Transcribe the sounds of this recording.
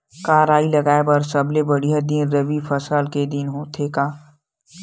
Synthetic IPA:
kaːɾaːilɐɡaːebɐɾsɐblebɐɽijad̪iɾɐʋifɐsəːlked̪ɪnɦõːt̪ʰeːkaː

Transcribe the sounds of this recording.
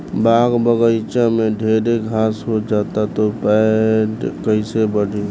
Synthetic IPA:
baːɡbəɡəɪt͡ʃamẽɖʱeːɾeɡʱaːsɦod͡ʒaːt̪at̪opɛ | kəɪsebəɽʱi

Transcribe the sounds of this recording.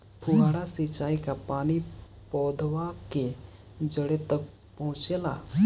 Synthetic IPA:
pʰuɦaɽasit͡ʃaːikapaːni | pɔːd̪ʱʋake | d͡ʒəɽet̪ək̚ | pəɦʊ̃t͡ʃela̰

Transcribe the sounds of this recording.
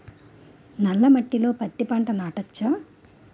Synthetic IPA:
nɐlːɐmɐʈːilo̞ːpɐt̪ːipaːɳʈɐnaːʈɐt͡ʃːɐ

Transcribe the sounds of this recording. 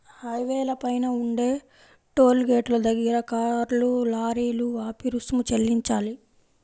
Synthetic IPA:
hɐjʋɛːlɐpɐjnɐuɳɖe̞ː | ʈo̞ːlɡeːʈlɐd̪ɐɡiɾɐkaːɾlulaːɾiːluaːpiɾusmut͡ʃelːiɲt͡ʃaːli

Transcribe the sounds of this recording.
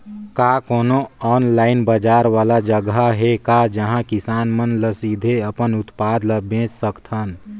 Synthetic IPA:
kaːkoːnoɔːnlaːɪnbəd͡ʒaːɾʋaːlad͡ʒəɡaɦekad͡ʒəɦãkɪsaːnmənləsid̪ʱeəpənʊt̪paːd̪ləbẽːt͡ʃsəkt̪ʰɦən

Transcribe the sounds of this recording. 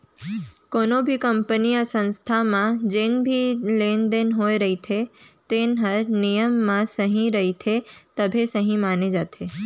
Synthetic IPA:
konobʱikəmpəniasə̃nst̪ʰamãd͡ʒenbʱilend̪enɦojɾəɦit̪ʰet̪enɦənijəmːãsəɦĩɾəɦit̪ʰet̪əbʱesəɦĩmaned͡ʒat̪ʰe

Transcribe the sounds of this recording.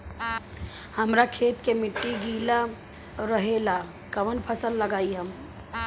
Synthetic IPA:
hɐmɾakʰeːt̪kemɪʈːiɡiːla | ɾəɦela | kɐʋənpʰəsəlːɐɡaːiɦɐm

